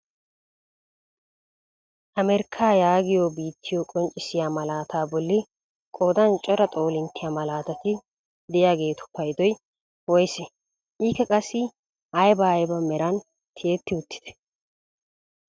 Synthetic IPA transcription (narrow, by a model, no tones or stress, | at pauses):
ʔɐmɛɾkʰːaːjaːɡɪjoːbiːt̪ʰːɪjoːkʼɔnt͡ʃʼɪsɪjaːmɐlaːt̪ʰaːbɔlːɪ | kʼoːd̪ɐnt͡ʃʼɔɾɐt̪ʼo̞ːlɪnt̪ːɪjaːmɐlaːt̪ɐt̪ɪ | d̪ɛjaːɡe̞ːt̪ʊ̥pːɐjd̪ɔj | wɔjsɛ | ʔiːkːɛkʼɐsːɪ | ʔɐjbɐːjbɐmɛɾɐn | t̪ʰeeːt̪ːɪʊt̪ːɪ̥d̪̥ɛ̥